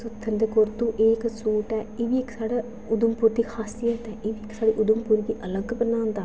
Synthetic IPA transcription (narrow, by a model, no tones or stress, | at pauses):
sʊt̪ʰːənd̪eːkʊɾt̪uːʔeːksuːʈɛːeːʋiːɪksaːɽaː | ʊd̪əmpuɾd̪iːkʰaːsijət̪ɛːʔeːʋiːksaːɽiːʔʊd̪əmpʊɾd̪iːʔələɡbənãːnd̪aː